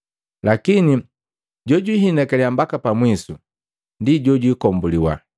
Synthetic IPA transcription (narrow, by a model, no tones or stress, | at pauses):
lakini | ɟɔɟwiɦinɛkɛliambakapamwisu | ndiɟɔɟwiːkɔmbuliwa̰